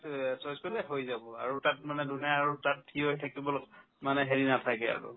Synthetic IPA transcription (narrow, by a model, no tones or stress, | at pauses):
sɔjskɔlɛɦojzabɔa̰ɹutat̚manɛdunɛaɹutat̚tʰiojtʰakibɔlɔk | manɛɦeɹinatʰakɛa̰ɹṵ